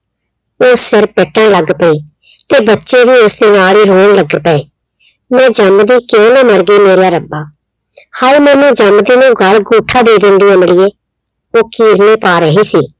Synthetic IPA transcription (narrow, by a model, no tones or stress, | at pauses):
oːsɪɾpeːʈə̃ːləɡpɛiː | t̪eːbətːʃeːbiːʊsd̪eːnaːliːɾoːɳləɡpɛeː | mɛ̃ːd͡ʒəmd̪iːkõːnaːməɾɡiːmeːɾjaːɾəbaː | haːiːmɛ̃ːnũːd͡ʒəmd̪iːnũːɡəɭɡuːʈʰaːd̪eːd̪ɪnd̪iːjãːmɪɽieː | oːkiːɾneːpaːɾəɦiːsiː